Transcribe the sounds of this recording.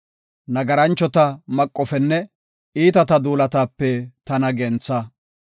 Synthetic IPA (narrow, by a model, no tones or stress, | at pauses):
nɐɡɐɾɐnt͡ʃːɔt̪ɐmɐkʼːɔfɛnːɛ | iːt̪ɐt̪ɐd̪uːlɐt̪aːpːɛt̪ɐnɐɡɛnt͡sːɐ